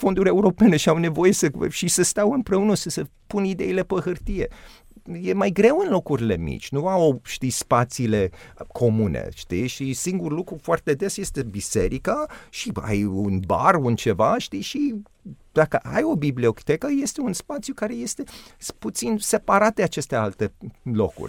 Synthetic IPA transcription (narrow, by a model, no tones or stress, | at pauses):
fo̞nd̪uɾʲe̞uɾo̞pe̞ne̞ʃiawne̞vo̞je̞səʃisəst̪awɨmpɾe̞unəsəsəpunid̪e̞̰ile̞pəhɨrt̪ije̞̰ | jemajɡɾe̞wɨnlo̞kuɾile̞̰mḭt͡ʃʲnuawʃt̪ijspat̪siːle̞kʰo̞munḛʃt̪iʃisiŋɡurlukɾufoart̪e̞d̪esje̞st̪e̞bise̞ɾikaʃia̰junba̰runt͡ʃe̞vaʃt̪ijʃi | d̪akəʔajo̞biblio̞kt̪ekəje̞st̪e̞unspat̪sjukaɾe̞je̞st̪e̞put̪sinse̞paɾat̪̚d̪eat͡ʃe̞st̪e̞alt̪e̞lo̞̰kṵrʲ